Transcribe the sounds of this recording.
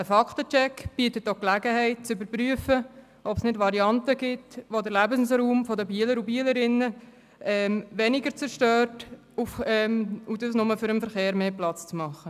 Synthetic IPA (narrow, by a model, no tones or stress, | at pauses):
əfɑktət͡ʃɛkb̥iətətːoklæɡəhɛɪt̚t͡sʏbəɾpɾyəfə | ʔɔpsnɪdʋɑɾiɑntəɡ̥ɪtʋodəɾlæbənsɾuːmfɔdəbiələɾubiələɾɪnːə | ɛːmʋɛnɪɡəɾt͡sɛɾʃtøːɾt | ufɛmudəsnʊməfʏɾəmfəɾχeːɾmeːplɑt͡st͡smɑχə